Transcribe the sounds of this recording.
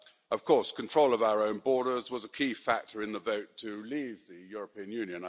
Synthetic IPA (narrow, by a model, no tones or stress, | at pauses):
ʔəv̥kʰɔˑskʰə̃ntʰɹ̥oʊləvaʊə˞ə̃ʊ̃nbɔːɾə˞zwɒzəkʰiːfæk̚tʰəɹɨ̃nðəvəʊtʰəliːvðɨjʊɹəpʰĩə̃njʉ̃njɨ̃n